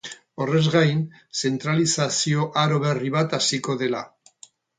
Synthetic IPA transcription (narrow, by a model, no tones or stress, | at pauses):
o̞re̞zɣajn | se̞nt̪ɾalisasio̞ʔaɾo̞β̞e̞riβat̪asiko̞ðe̞la̰